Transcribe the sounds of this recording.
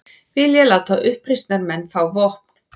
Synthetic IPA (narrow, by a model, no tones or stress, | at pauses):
vɪljɛlawt̪aʔʏhpɾist̪naɾmɛnːfɾawvɔhp̚n̥